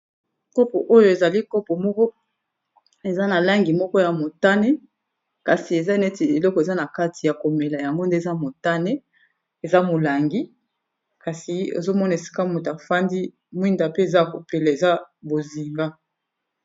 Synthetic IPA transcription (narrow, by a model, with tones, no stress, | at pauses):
kɔ˦po̰˨ʔo˦jo˦e˨za˨li˦kɔ˦po˨mɔ˦kɔ˦ | e˨za˦na˨la˦ŋɡi˨mɔ˦kɔ˦ja˨mo˨ta˦ne˦ | ka˨si˨e˨za˦nɛ˦ti˨e˨lɔ˦kɔ˨e˨za˦na˨ka˦tʰi˨ja˨ko˨me˨la˨ja˨ŋɡo˦nde˦˨za˦mo˨ta˦ne˦ | e˨za˦mo˨la˨ŋɡi˦ | ka˨si˨ḛ˨zo˦mɔ˦n˨e˨si̥˦ka˦mo˨ta˨fa˦ndi˦ | mwi˦nda˨pe˦e˨za˦˨ko˨pe˨la˨e˨za˦bo˨zi˨ŋɡa˦